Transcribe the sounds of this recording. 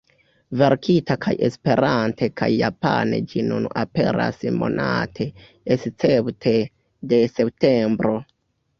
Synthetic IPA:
ve̞ɾkʰitakʰajʔe̞spe̞ɾantʰe̞kʰajːapa̰ne̞̰d͡ʒinunape̞ɾa̰smo̞̰natʰe̞ | est͡septʰe | de̞se̞p̚tembɾo̞

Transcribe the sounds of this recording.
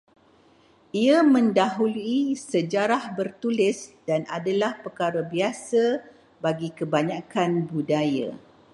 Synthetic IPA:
iamə̃ndaɦuluisəd͡ʒaɾahbərt̪ulɪsdanadalahpəkaɾəbiasə | baɡikəbaɲãkanbudaja̰

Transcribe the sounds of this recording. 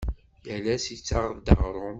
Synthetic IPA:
jælæsit͡sːaʁðd̪ə̰ʁɾˤom

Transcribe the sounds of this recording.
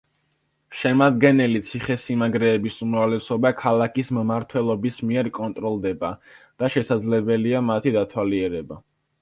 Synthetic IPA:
ʃɛmad̪ɡɛnɛlit̪sʰiχɛsimaɡɾɛːbisumɾavlɛsɔbakʰalˠakʰismmaɾt̪ʰwɛlˠɔbismiɛɾkʼɔnt̪ʼɾɔlˠd̪ɛbad̪̥aʃɛsad̪zlɛbɛliamat̪ʰid̪at̪ʰwaliɛɾɛba

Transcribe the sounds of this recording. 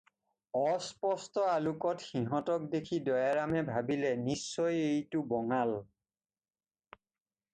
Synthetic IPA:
ɔspɔstɔalukɔtxiɦɔtɔk̚dekʰidɔjaɹamɛbʱabilɛnisːɔjejtʊbɔŋal

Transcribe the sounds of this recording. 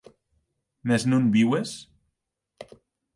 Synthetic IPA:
meznũnbiwes

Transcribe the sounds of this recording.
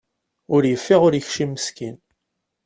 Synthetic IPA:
ʊɾjəfːɪʁʊɾjəçʃimːəskin

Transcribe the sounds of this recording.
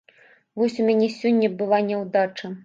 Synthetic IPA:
vɔsʲumʲanʲɛsʲɔnʲːɐbɨlˠanʲɛwd̪at͡ʂɐ

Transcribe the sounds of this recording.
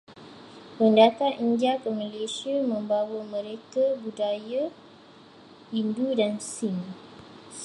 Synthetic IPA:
pəndat̪aʔiɲd͡ʒakəmə̃lesiamə̃mbawəmə̃ɾekabudaja | indudansin

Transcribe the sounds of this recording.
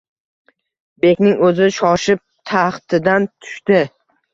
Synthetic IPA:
be̞kʲnɪŋɵzɪʃɒʃɪp̚t̪ʰaχt̪ʰɪd̪ant̪ʰʊ̥ʃt̪ɪ

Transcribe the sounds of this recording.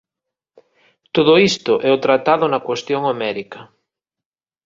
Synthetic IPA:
t̪oðʊist̪ʊʔɛʊt̪ɾat̪aðʊnɐkwest̪joŋomɛɾikɐ

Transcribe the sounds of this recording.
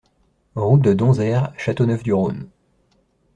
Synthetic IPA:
ʁud̪əd̪ɔ̃zɛʁʃat̪onœfd̪yʁon

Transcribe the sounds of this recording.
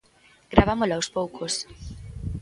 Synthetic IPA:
ɡɾaβamolawspowkʰos

